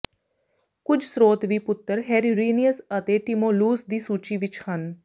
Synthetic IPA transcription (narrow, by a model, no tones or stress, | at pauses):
kʊd͡ʒʰsɾoːt̪ʋiːpʊt̪ːəɾɦɛːɾiɾiːniəsət̪eːʈɪmoːluːsd̪iːsuːt͡ʃiːʋɪt͡ʃhən